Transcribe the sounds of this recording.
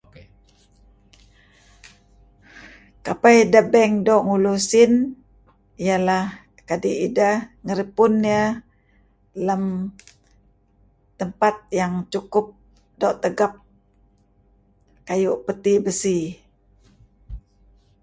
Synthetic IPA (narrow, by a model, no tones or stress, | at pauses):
kapajdəbɛŋdoʔŋulusɪn | ijalah | kadiʔidaŋəɾəpʊnːjə | ləm | t̪əmpat̪̚jaŋt͡ʃukʊp̚ | doʔt̪əɡap̚ | kajuʔpət̪ibəsi